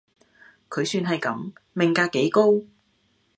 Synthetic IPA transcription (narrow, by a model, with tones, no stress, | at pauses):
kʰɵ˨˧ɥsyː˧nɦɐ˨jkɐ˨˥mmɪ˨ŋkaː˧kːe˨˥jko˥w